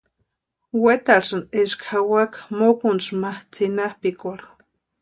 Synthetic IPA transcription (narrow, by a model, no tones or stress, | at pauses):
wet̪aɾsɨneʃkxawakmokunsmaht͡sinahpikoɾ